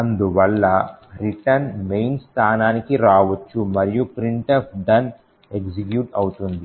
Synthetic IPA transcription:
ɐnd̪uʋɐlːɐɾiʈɐnmejnst̪ʰaːnaːnikiɾaːʋɐt͡ʃːumɐɾijupɾiɳʈɐfʰd̪ɐn | eksikjuːʈɐwut̪und̪i

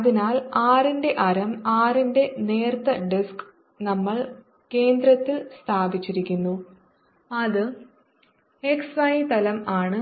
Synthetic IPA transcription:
ɐðinaːlaːrinde̞ʔɐɾɐmaːrinde̞ne̞ːrt̪ɐɖisk | nɐmːɐɭ | ke̞ːnd̪ɾɐt̪ːilst̪ʰaːbit͡ɕːiɾikʲːunːu | ɐðɨ | eksʋɐjit̪ɐlɐmaːɳɨ

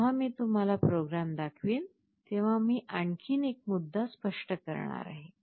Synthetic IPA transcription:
ɦamiːt̪um̤alapɾoɡɾamd̪akʰʋiːn | t̪ẽʋ̤amiːʔaɳkʰiːnek̚mud̪ʱːaspəʂʈəkəɾɳ̃a̰ɾa̰ɦe

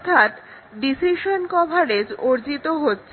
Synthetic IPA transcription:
t̪ʰat̪ | ɖisiʃonkɔbʱaɽed͡ʑoɾd͡ʑit̪oɦotːɕʰe

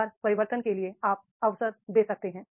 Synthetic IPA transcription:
ɾpɐɾɪʋəɾt̪ənkelieaːp̚ɐʋsəɾd̪eːsɐk̚t̪eɦɛ̃ː

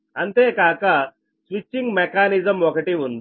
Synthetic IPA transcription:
anit̪ekaka | sʋit͡ɕːiŋɡmɛkanizəmʋɔkeʈiʋund̪

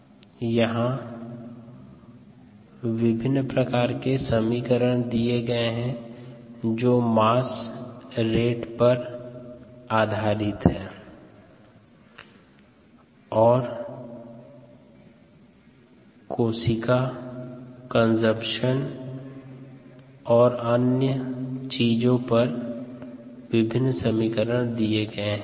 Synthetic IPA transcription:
jɐɦã | ʋɪbʱɪnːpɾəkaːɾkesəmiːkəɾəɽ̃d̪ieɡɐeɦɛ̃ | d͡ʒoːmaːs | ɾeːʈpɐɾ | aːd̪ʱaːɾɪt̪ɦɛː | ɔːɾ | koːsɪka | kə̃nsəpʃən | ɔːɾənjət͡ʃiːd͡ʒõpɐɾ | ʋɪbʱɪnːsəmikəɾəɽ̃d̪ieɡəeɦɛ̃

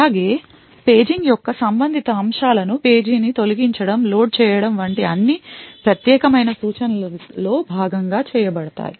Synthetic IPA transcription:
aːɡe̞ː | pe̞ːd͡ʒiŋɡjɔkːɐsɐmbɐnd̪ʱit̪ɐːmʂaːlɐnupe̞ːd͡ʒiːnit̪o̞liɡiɲt͡ʃɐɽɐmlo̞ːɖ̚t͡ʃɛːjɐɽɐmʋɐɳʈiɐnːipɾɐt̪jɛːkɐmɐjnɐsuːt͡ʃɐnɐllo̞ːbʱaːɡɐŋɡaːt͡ʃɛːjɐbɐɽɐt̪a̰ːji

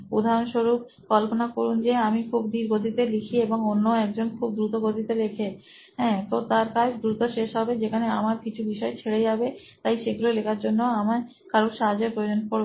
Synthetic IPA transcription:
ud̪ʱaɾonʃoɾub̚ | kɔlponakoɾund͡ʑeamikʰubd̪ʱiɾɡod̪ʱit̪elikʰieboŋonːoɛk̚d͡ʑonkʰub̚d̪ɾut̪oɡod̪it̪eɾekʰe | ɦɛ̃t̪ot̪aɾkad͡ʑd̪ɾut̪oʃeʃɦɔbed͡ʑekʰaneamaɾkit͡ɕʰubiʃɔet͡ɕʰeɽejabe | t̪ajʃeɡulolekʰaɾd͡ʑonːoamaɾ | kʰaɾoɾʃaɦad͡ʑeɾpɾojod͡ʑonpo

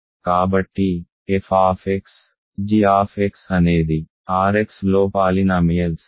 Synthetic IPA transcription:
kaːbəʈːiː | efʰaːfeks | d͡ʒiːaːfʰeksəneːd̪i | aːɾeksloːpaːlinaːmiːəls

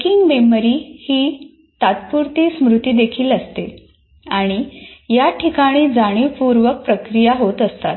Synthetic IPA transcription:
kiŋɡmeməɾiːhiː | t̪at̪̚puɾt̪iːsmɾut̪iːd̪ekʰiːləst̪e | aɽ̃ijaʈʰikaɽ̃iːd͡zaɽ̃iːpuɾʋək̚pɾəkɾijaɦot̪əst̪at̪

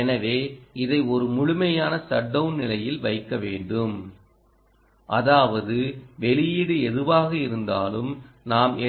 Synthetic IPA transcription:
ɛnɐʋeːɪðɐɪɔɾɯmʊɻʊmɐjaːnɐsɐɖːɐʋnnɪlɐjɪlʋɐɪkːɐʋeːɳɖɯm | ʔɐðaːʋɐðɯʋɛɭɪjɪɽɯɛðɯʋaːɣɐɪɾɯnd̪a̰ːlɯm | naːme

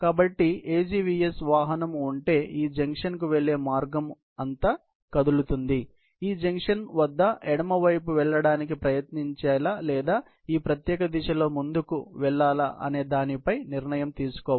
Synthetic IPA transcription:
kaːbɐʈːie̞ːd͡ʒiːʋiːesʋaːɦɐnɐmuɳʈe̞ːʔiːd͡ʒɐŋkʂɐnkuʋɛɭːe̞ːmaːɾɡɐm | ɐnt̪ɐ | kɐd̪ulut̪und̪i | iːd͡ʒɐŋkʂɐnʋɐd̪ːɐɛɽɐmɐʋɐjpuʋɛɭːɐɽaːnikipɾɐjɐt̪niɲt͡ʃaːlalɛːd̪aː | iːpɾɐt̪jɛːkɐd̪iʃɐlo̞ːmund̪ukuʋɛɭːaːlɐ̰ʔɐ̰ne̞ːd̪aːnipɐjniɾnɐjɐmt̪iːsu̥kɔː

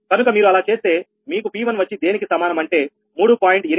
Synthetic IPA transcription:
kɐnukɐmiːɾuɐlaːt͡ʃe̞ːst̪e̞ː | miːkupiːʋɐnʋɐt͡ʃːid̪e̞ːnikisɐmaːnɐmɐɳʈe̞ː | muːɽupaːjiɳʈe

